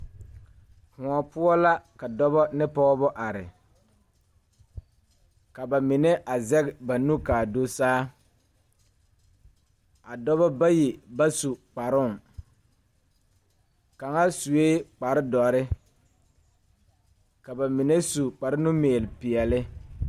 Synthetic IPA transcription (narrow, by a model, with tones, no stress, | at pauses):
hʊ̃˨ɔ˨pʊ˦ɔ˦la˦ka˨dɔ˦βɔ˦nɪ˦pɔː˦bɔ˦ʔa˨ɾɪ̰˨ | ka˨ba˨mɪ˨ne˦ʔa˨zɛ˦kba˨nu˦kaː˨do˦saː˦ | a˨dɔ˦βɔ˦ba˦jɪ˨ba˦su˨k͡pa˨ɾʊ˦˨ŋ | ka˨ŋa˦su˨weː˦k͡pa˨ɾɪ˦dɔ˨ɾɪ˦ | ka˨ba˨mɪ˨ne˦su˨k͡pa˨ɾɪ˦nu˦meː˨lɪ˨pɪ˨ɛ˨lɪ˦